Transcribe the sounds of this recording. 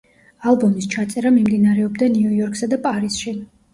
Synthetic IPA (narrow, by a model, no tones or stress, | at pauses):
alˠbɔmist͡ʃʰat̪sʼɛɾamimd̪inaɾɛɔbd̪aniujɔɾkʰsad̪apʼaɾisʃi